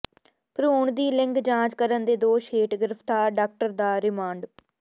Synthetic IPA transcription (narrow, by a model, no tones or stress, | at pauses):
pɾuːɳd̪iːlɪ̃ŋɡd͡ʒãːt͡ʃkəɾənd̪eːd̪oːʃɦeːʈɡɪɾəft̪aːɾɖaːk̚ʈəɾd̪aːɾɪmãːɳɖ